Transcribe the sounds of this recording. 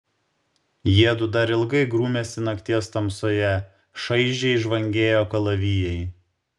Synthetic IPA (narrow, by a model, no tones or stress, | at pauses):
jiɛd̪ʊd̪ɐɾɪlˠɡɐɪɡɾuːmʲɛsʲɪnɐkt̪ʲiɛst̪ɐmsoːjɛ | ʃɐɪʒʲɛɪʒʋɐŋʲɡʲeːjoːkɐlˠɐʋʲiːjɛɪ